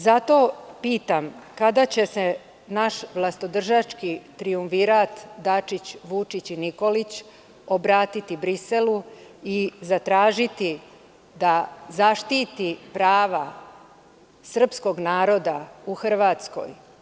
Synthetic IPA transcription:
zat̪o̞ːpiːt̪amkad̪at͡ɕese̞ | naʃʋlˠast̪od̪r̩ʒat͡ʃkit̪ɾiuɱfiɾat̪d̪at͡ʃit͡ɕʋut͡ʃit͡ɕiniko̞lit͡ɕ | o̞bɾaːt̪it̪ibɾiseluizat̪ɾaːʒit̪i | d̪azaʃt̪iːt̪ipɾaːʋa | sər̩psko̞ɡnaːɾo̞d̪auxr̩ʋaːt̪sko̞̰j

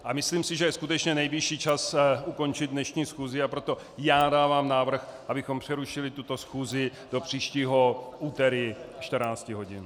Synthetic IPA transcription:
ʔamɪsliːmsɪʒɛjɛskut̪ɛt͡ʃɲɛnɛjbɪʃiːt͡ʃasuko̞nt͡ʃɪd̪dnɛʃɲiːsxuːzɪapɾo̞t̪o̞ | jaːdaːvaːmnaːvr̩xʔabɪxo̞mpr̝̥ɛɾuʃɪlɪt̪ut̪o̞sxuːzɪ | d̥o̞pr̝̥iːʃciːɦo̞ʔuːt̪ɛɾɪʃt̪rnaːt͡scɪɦo̞ɟɪn

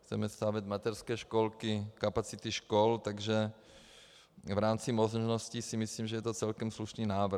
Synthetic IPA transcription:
xt͡sɛmɛst̪aːvjɛd̪mat̪ɛrskɛːʃkolkɪkapat͡sit̪iʃkolt̪aɡʒɛ | vɾaːmt͡simozʒnoscisimisliːmʒɛjɛt̪ot͡sɛlkɛmsluʃniːnaːvɾ

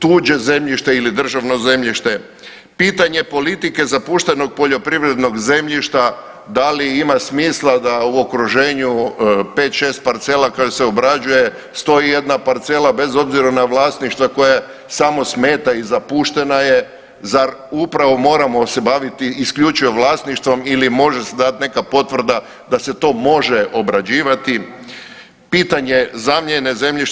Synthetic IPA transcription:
t̪uːd͡ʒe̞ze̞mʎiʃt̪eilid̪r̩ʒaʋno̞ze̞mʎiʃt̪e̞ | piːt̪aɲe̞po̞lit̪ike̞zapuʃt̪e̞no̞ɡ̚po̞ʎo̞pɾiʋɾe̞d̪no̞ɡze̞mʎiʃt̪a | d̪aliimasmiːslˠad̪auo̞kɾuʒe̞ːɲupeːt̪ʃest̪̚paɾt̪selakaoseobɾad͡ʒuje̞ | st̪o̞ije̞d̪napaɾt̪selabe̞zo̞bziɾanaʋlˠaːst̪niʃt̪ʋako̞ja | samo̞sme̞ːt̪aizapuʃt̪e̞naje̞ | zaɾupɾaʋo̞mo̞ːɾamo̞se̞baʋit̪iiskʎut͡ʃujeʋlˠaːst̪niʃt̪ʋo̞milimo̞ʒesed̪at̪ne̞kapo̞t̪ʋr̩d̪a | d̪ase̞t̪o̞ːmo̞ʒeʔo̞bɾad͡ʑiːʋat̪i | piːt̪aɲe̞zamʎene̞ze̞mʎiʃ

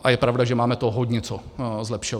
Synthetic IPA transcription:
ʔajɛpɾavdaʒɛmaːmɛt̪oɦoɟɲɛt͡sozlɛpʃo

